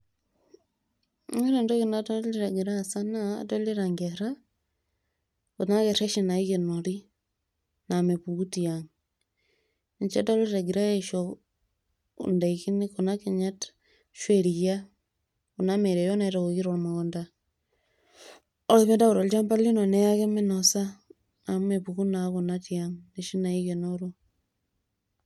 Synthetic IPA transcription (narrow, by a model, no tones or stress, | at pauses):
eɾendoɣinatoliɾaɡiɾaːsana̰toliɾaŋɡeɾa | konaɣeɾeʃinaiɣenoɾi | namepuɣutiaŋ | ɲt͡ʃetaliɾaɡiɾaeʃo | ṵndeikinikonakeɲat | ʃweɾiɣja | ɣunameɾejonaiɾaɣoɣiɾoɾmaɣonda | oɾeβendaɣoɾold͡ʒambalinonejaɣemenosa | namumepuɣunaɣunatiaŋneʃinaiɣenoɾo